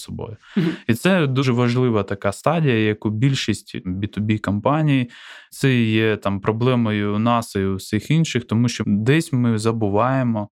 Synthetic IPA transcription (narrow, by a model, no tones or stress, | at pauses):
sɔbɔ̰jʊit̪sɛd̪uʒɛʋɐʒlˠɪʋɐt̪ɐkɑst̪ɑdʲijɐjɐkubʲilʲʃisʲtʲbʲit̪ʊbʲikɐmpɑnʲijit̪sɛjɛt̪ɑmpɾɔblˠɛmɔjʊnɑsɐjʊwsʲixinʃɪxt̪ɔmuʃt͡ʃɔd̪ɛsʲmɪzɐbʊʋɑjemɔ